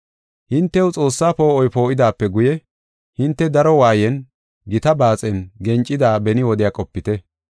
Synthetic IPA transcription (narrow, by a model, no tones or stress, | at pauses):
hɪnt̪ːɛwt͡sʼo̞ːsːaːpo̞ːɔjpo̞ːʔɪd̪aːpːɛɡʊjɛ | hɪnt̪ːɛd̪ɐɾɔwaːjɛn | ɡɪt̪ɐbaːt͡sʼɛnɡɛnt͡ʃʼːɪd̪aːbɛnɪwɔd̪ɪjakʼɔpːɪt̪ɛ